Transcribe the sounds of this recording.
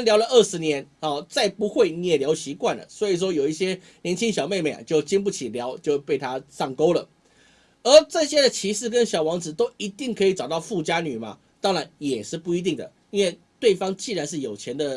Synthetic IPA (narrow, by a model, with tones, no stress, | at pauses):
nljɑ˧˥ʊlə˧ʔə˥˩ʂɻ̩˧˥njɛ˧˦nɔ˨˩t͡sa˥˩ɪpu˧˦˥xwe˥˧ɪnjɛ˨ljɑ˧˥ʊɕi˧˥kwa˥˨˩nlə̰˩swɔ˧˥i˨˩ʂ̬wɔ˥jo˨˩ʊi˥˩ɕjɛ˥ | njɛ˧˥nt͡ɕʰi˥ŋɕjɑ˨˩ʊme˥˧ɪma˨˩ɪa̰˩t͡ɕjo˥˩ʊt͡ɕi˥ŋp̬u˥˩t͡ɕʰi˨˩ljɑ˧˦˥ʊt͡ɕjo˥˧ʊpe˥˩ɪt̪ʰa˥sɑ˥˩ŋko˥ʊlə̰˩ | ə˧˥ʈ͡ʂɤ˥˧ɕjɛ˥d̪ə˨t͡ɕʰi˧˥ʂɻ̩˥˩kə˦˥nɕjɑ˨˩ʊwɑ˧˥ŋt͡sɹ̩˨˩t̪o˥ʊi˧˥t̪i˥˩ŋkʰɤ˧˥i˧˩ʈ͡ʂɑ˨˩ʊt̪ɑ˥˧ʊfu˥˨t͡ɕja˥ny˨˩mɐ̰˦ | t̪ɑ˥ŋɻa˧˦njɛ˨˩ʂɻ̩˥˧pu˥˩i˧˥t̪i˥˩ŋd̪ə̰˩ | i˥nwe˥˧ɪt̪we˥˩ɪfɑ˥ŋt͡ɕi˥˩ɻa˧˦nʂ̬ɻ̩˥˩jo˨˩ʊt͡ɕʰjɛ˧˥nd̪ə˧